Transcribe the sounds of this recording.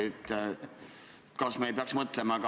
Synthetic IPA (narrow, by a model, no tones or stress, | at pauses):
et̪ːˑ | kɑsmeejpeɑksmɤt̪ˑlemɑk